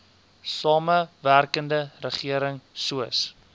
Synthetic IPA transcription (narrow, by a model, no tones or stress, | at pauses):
sɑːməværkəndərəχiəɾəŋsuəs